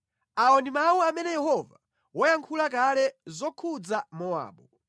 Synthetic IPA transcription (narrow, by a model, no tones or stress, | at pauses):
aɔnimawuamɛnɛjɛhɔva | wɔjaŋkʰulak̬alɛzɔkʰud͡zamɔa̰ːɓɔ